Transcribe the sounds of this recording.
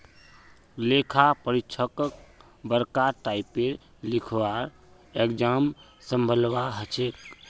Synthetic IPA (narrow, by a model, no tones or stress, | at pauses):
lekʰapəɾit͡ʃʰəkək | bəɾkaʈaipːeɾ | likʰʋaɾ | ekd͡ʒam | sə̃mbʱəlʋaɦət͡ʃʰek